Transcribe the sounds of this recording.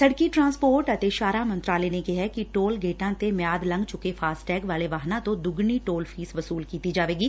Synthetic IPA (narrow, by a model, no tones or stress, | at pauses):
sɐɽkiʈɾãːnspoːɾʈɐt̪eʃaːɾamɐ̃nt̪ɾaːleːnekeɦɛkiʈoːlɡeːʈãːt̪emjaːd̪lə̃ŋɡt͡ʃʊkefʰaːsʈɛːkʋaːleʋaːɦnãt̪õd̪ʊɡniʈoːlpʰiːsʋɐsuːlkiːt̪id͡ʒaːʋeːɡiː